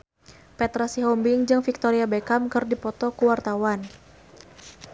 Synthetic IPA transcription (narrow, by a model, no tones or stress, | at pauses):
pɛt̪ɾasiɦɔmbiŋd͡ʒɨŋfik̚t̪ɔɾiabekamkɨrdipɔt̪ɔkuwart̪awan